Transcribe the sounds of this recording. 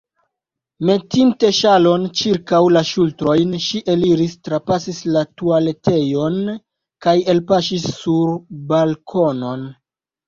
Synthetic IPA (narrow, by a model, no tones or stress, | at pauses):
me̞tinte̞ʃalo̞nt͡ʃiɾkawlaʃultɾo̞jnʃiʔe̞liɾistɾapasislatuale̞te̞jo̞n | kaje̞lpaʃisːuɾbalkʰo̞no̞n